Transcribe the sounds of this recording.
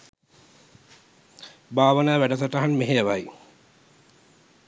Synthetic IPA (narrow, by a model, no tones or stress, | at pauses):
baːʋənaːʋæɖəsɐʈaɦanmeɦejɐʋaj